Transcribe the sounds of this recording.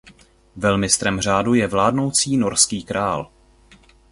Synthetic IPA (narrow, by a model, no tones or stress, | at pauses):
vɛlmɪst̪ɾɛmr̝aːdujɛvlaːdno̞wt͡siːno̞ɾskiːkɾʔaːl